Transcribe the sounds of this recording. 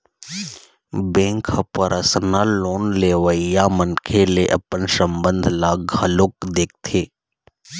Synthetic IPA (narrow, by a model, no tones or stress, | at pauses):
bẽːŋkʰəpəɾʔəsnaloːnleːʋəijamənkʰeleʔɐ̰pənsəmbə̃nd̪ʱlaːɡʱəlʊkd̪eːk̚t̪ʰeː